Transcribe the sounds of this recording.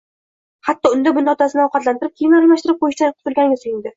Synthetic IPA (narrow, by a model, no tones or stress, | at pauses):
hat̪ːɒʊnd̪abʊnɒt̪ʰasɪnɪɒwqʰɑt̪lant̪ɪɾɪp̚kʲʰejɪnɪlmaʃt̪ɪɾɪp̚qʰojɪʃt̪anqʰʊ̥t̪ʰɪlˠɡʲanɪɡʲasojɪnd̪ɪ